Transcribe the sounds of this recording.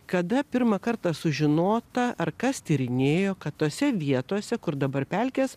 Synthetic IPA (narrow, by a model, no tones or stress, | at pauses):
kɐd̪ɐpʲɪɾmɐkɐɾt̪ɑsʊʒʲɪnoːt̪ɐɐrkɐst̪ʲɪɾʲɪnʲeːjoːkɐt̪tːoːsʲɛʋʲiɛt̪oɔsʲɛkʊɾd̪ɐbɐɾpʲɛlʲkʲeːs